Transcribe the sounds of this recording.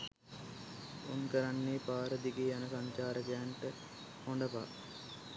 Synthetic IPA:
onkəɾanːeːpaːɾəd̪iɡeːanəsaɲt͡ʃaːɾəɡæːnʈə | hoɳɖəpa̰

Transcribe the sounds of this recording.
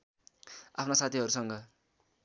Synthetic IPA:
apʰnasat̪ʰiɦʌɾusʌŋɡʌ

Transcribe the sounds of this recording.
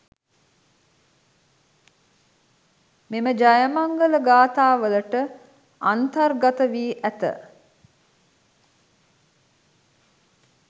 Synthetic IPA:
meməd͡ʒajəmaŋɡələɡaːt̪aːʋələʈə | ant̪ɐrɡat̪əʋiːʔæt̪ə̰

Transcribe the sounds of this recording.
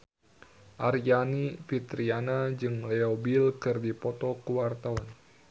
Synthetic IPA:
ʔarjanifit̪ɾianad͡ʒɨŋlɛobilkɨrdipɔt̪ɔkuwart̪awan

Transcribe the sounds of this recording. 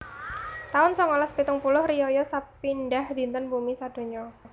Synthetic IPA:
t̪aʊnsɔŋɔlaspit̪ʊŋpulʊhrijɔjɔsapinɖahd̥i̤nt̪ənbumisad̪̥o̤ɲɔ

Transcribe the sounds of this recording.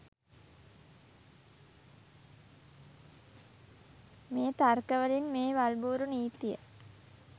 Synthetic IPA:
meːt̪arkəʋəlinmeːʋalbuːɾuniːt̪ijə̰

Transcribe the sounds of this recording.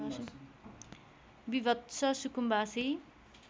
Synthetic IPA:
bibʌt̪sʰʌsukumbasi

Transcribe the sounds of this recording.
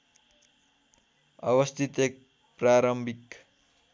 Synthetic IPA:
ʌ̰bʌst̪ʰit̪ek̚ | praɾʌmbʱik

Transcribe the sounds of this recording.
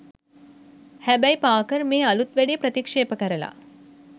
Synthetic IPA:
hæbæjpaːkəɾmeːɐlut̪ʋæɖipɾət̪ikʂeːpəkɐɾɐla̰

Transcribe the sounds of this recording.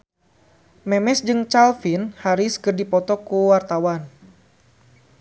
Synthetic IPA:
mɛmɛsd͡ʒɨŋt͡ʃalfinhaɾiskərdipɔt̪ɔkuwart̪awan

